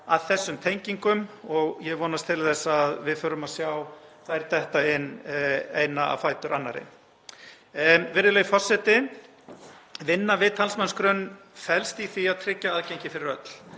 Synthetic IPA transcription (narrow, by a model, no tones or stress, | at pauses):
aðθɛsːʏmt̪ʰejɲciŋkʏmɔɣjɛɣvɔːnast̪ʰɪlθɛsːaːðvɪðfœːɾʏmaðsjawθaðɛɾ̥t̪ɛht̪aɪnːeːjnaa̰fajt̪ʏɾʔanːa̰ɾɪ̰ | vɪːɾɪlœjʏfɔr̥sɛt̪ɪ | vɪnːavɪːt̪ʰalsmanskɾœnː | fɛlst̪iθiaðt̪ʰɾɪcːaaðcejɲcɪfɪɾɪɾœt̪l̥